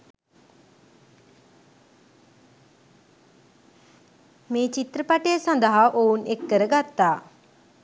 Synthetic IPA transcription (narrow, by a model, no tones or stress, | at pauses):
meːt͡ʃit̪ɾəpaʈeəsɐ̃nd̪əɦaʔounekːəɾəɡat̪ːaː